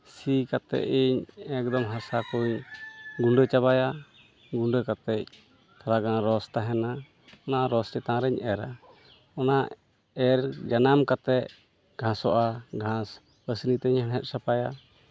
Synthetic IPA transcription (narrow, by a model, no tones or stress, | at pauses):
sikat̪ɛ̰ʔiɲɛk̚d̪ɔmɦasakuɲɡuɳɖət͡ʃaβaja | ɡuɳɖəkat̪ɛc̚ | t̪ʰaɾaɡãɾɔst̪aɦɛna | ɔnaʔɾɔsʈɛt̪ãɾɛɲʔɛɾa̰ | ɔna | ɛɾd͡ʒanamkat̪ɛʔ | ɡʱãsɔʔaɡʱãs | pəsnit̪ɛɲhɛnɦɛt̪̚sapaja